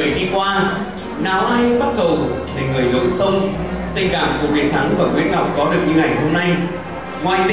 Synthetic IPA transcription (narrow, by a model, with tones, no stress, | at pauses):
əjɗi˧kwaː˧ | naː˨˦wʔaː˧jɓa˦˥t̚ɗə˨˩wve˨˩ŋɨ˨˩əjlo̰˧˨jsə˧nt̪ï˨˧˩ŋ̟kaː˧˩mku˧˩əvḭ˧˩ənt̪ʰa˨˦ŋvaː˨˩ŋwɨ˨˦nŋa˨˩wk͡p̚kɔ˨˦ɗɨ˨˩ək̚ɲɨ˧ŋa˨˩jŋɦo˧mna˧j | ŋwaː˨˩jt̪i˧